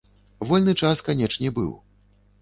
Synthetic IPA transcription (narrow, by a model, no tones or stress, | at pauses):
vɔlʲnɨt͡ʂaskanʲɛt͡ʂnʲɛbɨ̰w